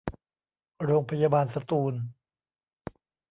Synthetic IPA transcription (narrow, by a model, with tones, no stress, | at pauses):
ɾoː˧ŋpʰa˧jaː˧baː˧nsa˧t̪uː˧n